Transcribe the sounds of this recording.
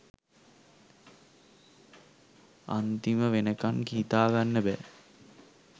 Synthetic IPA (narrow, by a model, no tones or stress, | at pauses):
a̰nt̪iməʋenəkaŋkiːt̪aːɡanːəbɛ